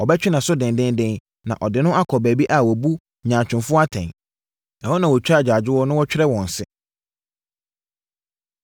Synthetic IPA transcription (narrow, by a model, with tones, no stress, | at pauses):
ɔ˨bɛ˦t͡ɕᶣɪ˦nã˨sʊ˦dɪ̃˨ndɪ̃˦ndɪ̃˦n | nã̰˨ʔɔ˨dɪ˨nʊ̃˦ʔa˦kʰɔ˨bæː˨bi˦ʔa˨wɔ˨bu˦ | ɲãː˨t͡ɕʰᶣɪ̃˨nfʊ˦a˦tʰɛ̰̃˨n | a˨hɔ˦nã˨wɔ˨t͡ɕᶣa˦˨d͡ʑaː˨d͡ʑɪ˦wɔ˦nʊ̃˦wɔ˦t͡ɕᶣɪ˦ɾɛ˦wɔ̃˨n̩˨sɪ˦